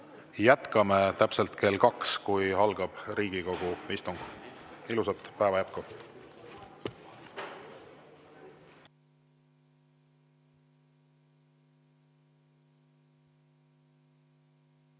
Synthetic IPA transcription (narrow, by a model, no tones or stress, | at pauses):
jæt̪kɑmet̪æpselt̪kʰe̞lkɑkskujhɑlɡ̥ɑb̥ɾiːɡ̥iko̞ɡ̥uist̪uŋɡ̥ilusɑt̪ˑpæevɑjæp̚ku